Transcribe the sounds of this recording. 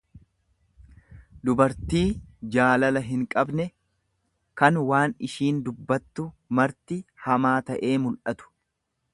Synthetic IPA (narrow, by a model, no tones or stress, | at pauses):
d̪ʊbɐɾt̪iːd͡ʒaːlɐlɐɦɪŋkʼɐbnɛ | kɐnwaːnɪʃiːnd̪ʊbːɐt̪ːʊ | mɐɾt̪ɪhɐmaːt̪ɐʔe̞ːmʊlʔɐt̪ʊ̥